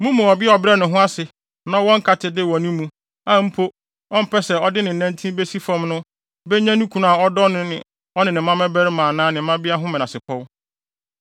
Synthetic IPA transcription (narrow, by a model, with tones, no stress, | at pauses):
mũ˦mũ˨ɔ˨bɪ˦ɔ˨bɾɛ˦nʊ̃˨ɦʊ̃˦a˦sɪ˨ | nã˦wɔ̃˦ŋ̩˦kʰa˨tʰɪ˨dɪ˦˨wɔ̃˨nĩ˦mũ˨ | ã˦m̩˦pʰo˦ | ɔ̃˦m̩˦pʰɛ˦sɛ˨ɔ˦dɪ˦nɪ̃˨n̩˨nã˦ntʰĩ˦be˦si˦fɔ̃˨mnʊ̃˦ | bɛ˦ɲã˦nũ˦kʰũ˨na˦˨a˨ɔ˦dɔ˦nɪ̃˦nɪ̃˨ | ɔ˦nɪ̃˨nɪ̃˨˦mã˦mɛ̃˦bɛ˦ɾɪ˦mãː˨nãː˦nɪ̃˨˦mã˦bɪ˦a˦ɦʊ̃˦mɪ̃˨nã˨sɪ˨pʰɔ˦w